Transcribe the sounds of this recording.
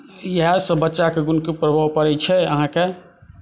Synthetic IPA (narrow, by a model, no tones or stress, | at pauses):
jeɦasəbətːʃakeɡunkepɾəbʱawpəɾɛt͡ʃʰɛəɦãke